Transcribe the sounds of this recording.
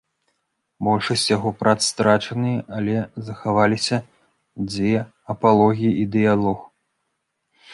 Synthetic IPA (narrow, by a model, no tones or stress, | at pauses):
bɔlʲʂɐsʲt͡sʲjaɣɔpɾat̪st̪ɾat͡ʂɐnɨjɛʔɐlʲɛzɐxavalʲisʲɐ | d͡zʲvʲɛ | ɐpalˠɔɣʲijiʔid̪ɨjalˠɔx